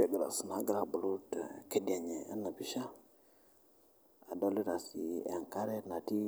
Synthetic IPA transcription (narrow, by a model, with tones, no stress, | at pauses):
e˨ɡə˨a̰˨sə˨na˨˦ɡə˨ɾa˨bu˨lu˦tkə˨di˨a˨ɲe˨a̰˦nːa˨bi˦ʃa˦ | a˨do˦li˦ɾa˨si˨ḛ˨ŋka˦ɾe˦na˨ti˦